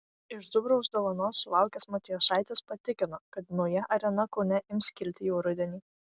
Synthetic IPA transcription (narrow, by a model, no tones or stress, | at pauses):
ɪʒd̪ʊbɾoʊsd̪oːʋɐnoːsːʊlˠɑˑʊkʲeːsmɔt̪ʲɪjoːsɑˑɪt̪ʲeːspɐt̪ʲɪkʲɪnokɐt̪nɐʊjɛʔɐɾʲɛnɐkɔʊnʲɛʔɪmʲskʲɪlʲt̪ʲɪjɛʊɾʊd̪ʲɛnʲiː